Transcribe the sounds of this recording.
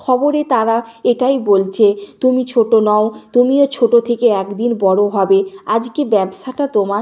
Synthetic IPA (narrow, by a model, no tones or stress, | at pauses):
kʰɔboɾet̪aɾaeʈajbolt͡ɕʰet̪umit͡ɕʰoʈonɔot̪umiot͡ɕʰoʈot̪ʰekeɛkd̪inbɔɽoɦɔbead͡ʑkebɛbsʰaʈat̪oma